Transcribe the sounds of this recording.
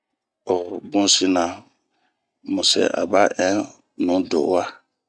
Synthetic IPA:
o˨bũ˦si˦nã˨ | mũ˨sɛ̰˨ʔa̰˨ba˦ʔɛ̃˦ | nũ˨˦do̰˨˦wa˦

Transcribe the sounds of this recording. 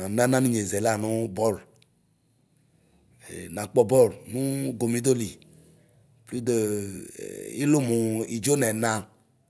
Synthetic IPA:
nã˦nã˦nũ˦ɲe˨zɛ˨la˦˨nũ˦bɔ˦˨l | nã˨k͡pɔ˦bɔ˦˨lnũ˦ɡo˨mĩ˦d̪o˦li˨ | pli˦d̪o̰˦˨ | ḭ˦lo˦mu˨i˨d͡ʒo˦nɛ˨nã˦

